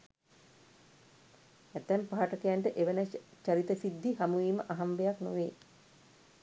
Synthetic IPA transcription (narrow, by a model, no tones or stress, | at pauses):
æt̪ːæmpaɦaʈəkejaɳʈəʔeʋənət͡ʃaɾit̪əsid̪ʱːihamuʋiːməʔaɦambejakno̰ʋeː